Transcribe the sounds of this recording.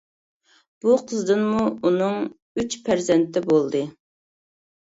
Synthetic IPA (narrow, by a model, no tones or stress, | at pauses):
b̥uqʰəzd̪ɨnmuunɨŋ | yt͡ʃpʰæɾzɛnt̪ːɛbolˠd̪ɨ